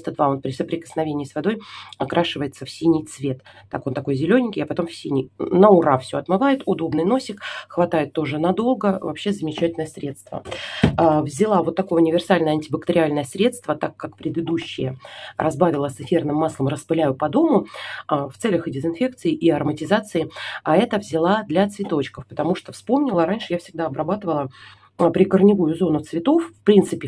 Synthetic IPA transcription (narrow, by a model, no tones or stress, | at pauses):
st̪əd̪vao̞npɾʲɪsəpɾʲɪkə̥snɐvʲenʲɪjəsvɐd̪o̞jɐkɾʔaʂɨvəjɪt̪səfsʲinʲɪjt̪svʲe̞t̪ːakont̪ɐko̞jzʲɪlʲonʲɪŋʲkʲɪjɐpɐt̪o̞mfsʲinʲɪjnəʊrafsʲoɐt̪mɨvajɪt̪ʊd̪o̞bnɨjno̞sʲɪkxvɐt̪ajɪt̪ːo̞ʐɨnɐd̪o̞lˠɡəvɐpɕːezəmʲɪt͡ɕætʲɪlʲnəjəsɾʲe̞t̪st̪və̰ | vzʲɪlˠavo̞t̪ːɐko̞jəʊnʲɪvʲɪrsalʲnəjəɐnʲtʲɪbəkt̪əɾʲɪalʲnəjəsɾʲe̞t̪st̪vət̪akːakpɾʲɪd̪ɨd̪uɕːɪ̰jərʔɐzbavʲɪlˠəsɨfʲe̞rnɨmːaslˠəmrəspɨlʲæjʊpɐd̪o̞mʊ | ft̪sɛlʲəxdʲɪzɨnfʲe̞k̚t̪sɨɪʔiɐrmətʲɪzat̪sɨɪaɛt̪əvzʲɪlˠad̪lʲat̪svʲɪt̪o̞t͡ɕkəfpə̥t̪ɐmuʂt̪ofspo̞mnʲɪlˠəɾanʲʂɨjafsʲɪɡ̚d̪aɐbɾɐbat̪ɨvəlˠə | pɾʲɪkərnʲɪvujʊzo̞nʊt̪svʲɪt̪o̞fːpɾʲint̪sɨpʲɪ